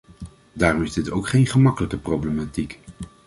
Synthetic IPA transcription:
daːrɔmɪzdɪtowkχejnχəmɑkələkəprowblematik

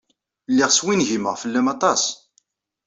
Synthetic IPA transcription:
lːiʁswinʝiməʁfəlːæmɑt̪ˤɑs

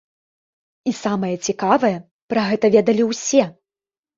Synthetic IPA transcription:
isamɐjɐt͡sʲikavɐjɐ | pɾɐɣɛt̪ɐvʲɛd̪ɐlʲiwsʲɛ

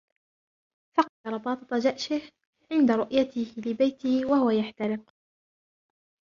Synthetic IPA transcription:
fɑqɑd̪ɑɾˤɑb̪ˤɑːt̪ˤɑt̪ˤɑd͡ʒaʔʃɪh | ʕɪnd̪aɾʊʔjat̪ɪhlɪbajt̪ɪhɪwahʊwajaħt̪aɾɪq

